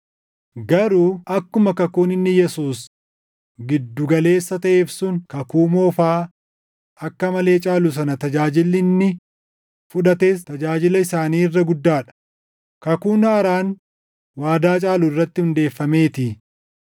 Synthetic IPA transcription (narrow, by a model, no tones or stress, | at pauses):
ɡɐɾuːʔɐkːʊmɐkɐkuːnɪnːɪjɛsuːs | ɡɪd̪ːʊɡɐle̞ːsːɐt̪ɐʔeːfsʊŋkɐkuːmoːfaː | ɐkːɐmɐle̞ːt͡ʃʼaːlʊs̬ɐnɐt̪ɐd͡ʒaːd͡ʒɪlːɪnːɪ | fʊᶑɐt̪e̞ːst̪ɐd͡ʒaːd͡ʒɪlɐɪsaːniːɪrːɐɡʊd̪ːaːᶑɐ̥ | kɐkuːnɐːɾaːn | waːd̪aːt͡ʃʼaːlʊɪrːɐt̪ːɪhʊnd̪e̞ːfːɐme̞ːt̪ɪː